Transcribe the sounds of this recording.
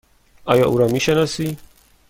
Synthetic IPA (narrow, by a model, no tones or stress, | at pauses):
ajaʔuɾamiʃanasi